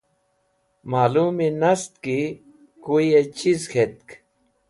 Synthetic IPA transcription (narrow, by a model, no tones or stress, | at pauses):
maluminast̪̚ki | kujet͡ʃisxʰet̪̚k